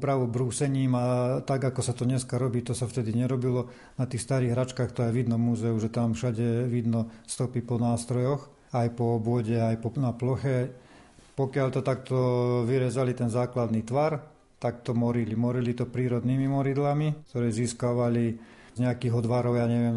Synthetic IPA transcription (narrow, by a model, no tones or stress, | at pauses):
upɾaʋubɾuːsɛɲiːmat̪aɡakɔsat̪ɔɲɛskaɾɔbiːt̪ɔsaft̪ɛd̪iɲɛɾɔbilɔ | nat̪iːxst̪aɾiːɣɦɾat͡ʃkaːxt̪ɔjɛʋid̪nɔmuːzɛuʒɛt̪amfʃaɟɛʋid̪nɔst̪ɔpipɔnaːst̪ɾɔjɔx | ajpɔɔbʊɔɟɛajpɔnaplɔxɛ | pɔkɪaʎt̪ɔt̪ak̚t̪ɔʋiɾɛzalit̪ɛnzaːklad̪nit̪ʋaɾ | t̪akt̪ɔmɔɾilimɔɾilit̪ɔpɾiːɾɔd̪niːmimɔɾid̪lamikt̪ɔɾɛːziːskaʋali | zɲɛakiːɣɔd̪ʋaɾɔʊjaːɲɛʋɪɛm